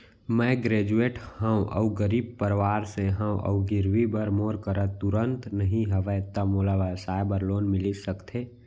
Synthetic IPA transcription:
mɛːɡɾeːd͡ʒueːʈhə̃w̃ʔə̰uɡəɾiːb̚pəɾʋaːɾseɦə̃ʔə̰uɡɪɾwibəɾmoːɾkəɾət̪ʊɾənt̪nəɦĩɦəʋət̪əmoːlaʋasaːjbəɾloːnmɪlisəkt̪ʰe

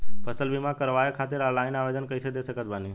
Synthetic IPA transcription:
pʰəsəlʋimãkəɾʋajakʰat̪ɪɾalaɪnaʋed̪ənkəisəd̪esəkət̪bani

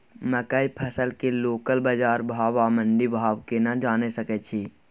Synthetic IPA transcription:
məkəipʰɐsəlkeloːkəlbɐd͡ʒaːɾbʱaːʋamə̃ɳɖibʱaːʋkenad͡ʒaːnesɐket͡ʃʰi

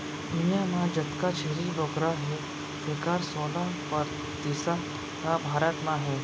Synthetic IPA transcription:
ijamãd͡ʒɐt̪kat͡ʃʰeɾiboːkɾaɦɛ | sekaːɾsoːlãpɐɾ | t̪iːsa | kabʱaːɾət̪mãɦɛː

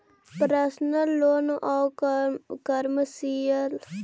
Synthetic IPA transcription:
pɾəsnəlːoːnʔaw | kəɾməsiəl

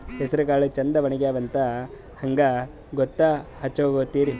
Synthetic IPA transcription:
hesɐɾɐkaːɭut͡ʃɐnd̪ɐʋɐɳiɡeaːʋɐnt̪ɐ | hɐŋɡɐ | ɡɔt̪ːɐhɐt͡ʃːoɡoːt̪ːiːɾi

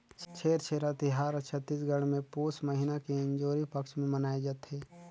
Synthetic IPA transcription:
t͡ʃʰeːɾt͡ʃʰeːɾat̪ɪɦaːɾt͡ʃʰət̪ːisɡəɽmẽpuːsməɦɪnakiɪ̃nd͡ʒoːɾipɐkʃmẽmənaːed͡ʒaːt̪ɦeː

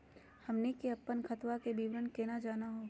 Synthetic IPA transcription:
hɐmnekiɐpːənkʰɐt̪ʋakebʱiʋɾənkenad͡ʒaːnaɦoː

